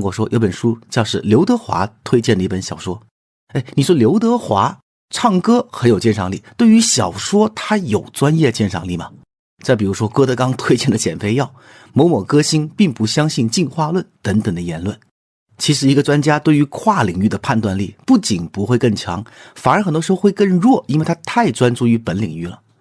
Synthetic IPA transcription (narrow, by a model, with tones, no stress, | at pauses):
ŋkwɔ˥˩ʂwɔ˥jo˧˥pə˨˩nʂu˥t͡ɕjɑ˥˧ʊʂɻ̩˥˩ljo˧˥ʊt̪ɤ˧˥xwa̰˧˥t̪ʰwe˥ɪt͡ɕjɛ˥˩nd̪ə˧i˥˩pə˧˥nɕjɑ˨˩ʊʂwɔ˥ | e˥˩ɪni˨˩ʂwɔ˥ljo˧˥ʊt̪̬ɤ˧˥xwa˧˥ | ʈ͡ʂʰɑ˥˩ŋkɤ˥xə˧˥njo˨˩ʊt͡ɕjɛ˥˩nʂʰɑ˧˩ŋlḭ˥˩t̪we˥˩ɪy˧˥ɕjɑ˨˩ʊʂwɔ˥t̪ʰa˥jo˨˩ʊt͡swa˥njɛ˥˩t͡ɕjɛ˥˩nʂɑ̰˥˩ŋli˥˩mɐ˩ | t͡sa˥˩ɪpi˨˩u˧˥ʂwɔ˥kɤ˥t̪ɤ˧˥kɑ˥ŋt̪ʰwe˥ɪt͡ɕjɛ˥˩nd̪ə˩t͡ɕjɛ̰˨˩nfe˥˧ɪjɑ˥˩ʊ | mo˧˥ʊmɔ˨˩kɤ˥ɕi˥npi˥˩ŋpu˧˥ɕjɑ˥ŋɕi˥˧nt͡ɕi˥˧nxwa˥˧lwə˥˩nt̪ə˧˥ŋt̪ə˨˩ŋd̪ə˦jɛ˧˥nlwə˥˩n | t͡ɕʰi˧˥ʂɻ̩˨˩i˧˥ɡə˧ʈ͡ʂwa˥nt͡ɕja˥t̪we˥˩ɪy˧˥kʰwa˥˩li˨˩ŋy˥˩d̪ə˩pʰa˥˧nt̪wa˥˧nli˥˩pu˥˩t͡ɕi˨˩npu˧˥xwe˥˧ɪkɤ˥˩ŋt͡ɕʰjɑ̰˧˥ŋfa˨˩nə˞˧˥xə˨˩nt̪wʂɻ̩˧˥xo˥˧xwe˥˧ɪkə˥˧ŋɻwɔ˥˩ʔi˥nwe˥˩ɪtʰa˥t̪ʰa˥˩ɪʈ͡ʂwa˥nʈ͡ʂu˥˩y˧˥pə˧˥nli˨˩ŋy˥˩lə˩